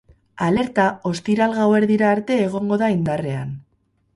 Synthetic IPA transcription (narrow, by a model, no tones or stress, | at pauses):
ale̞ɾt̪ao̞st̪iɾalɣawe̞ɾðiɾaːɾt̪e̞ːɣ̞o̞ŋɡo̞ðaind̪are̞an